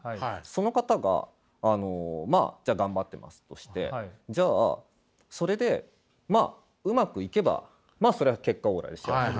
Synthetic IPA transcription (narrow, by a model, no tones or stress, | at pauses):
so̞no̞kat̪aɡa̰ː | no̞ma̰ːd͡ʑaːɡãmbat̪ːe̞̰mʔa̰sɨ̥t̪o̞ɕi̥t̪e̞̰d͡ʑa̰ː | so̞ɾe̞d̪e̞ | maː | ɯ̟makɯ̟ike̞ba̰ | maːso̞ɾe̞ake̞kːao̞ːɾa̰d̪e̞sa